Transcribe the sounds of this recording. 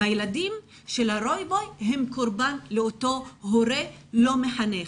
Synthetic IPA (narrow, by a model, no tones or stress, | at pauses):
ajeladim | ʃelhaɾo̞jbo̞jɦemkoɾbanleoto̞ɦoɾelo̞meħane